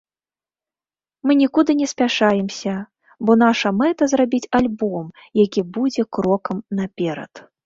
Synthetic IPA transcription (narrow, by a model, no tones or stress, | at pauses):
mɨnʲikud̪ɨnʲɛsʲpʲaʂajɛmsʲɐ | bɔnaʂɐmɛt̪ɐzrabʲit͡sʲalʲbɔm | jakʲibud͡zʲɛkɾɔkɐmnapʲɛɾɐ̰t̪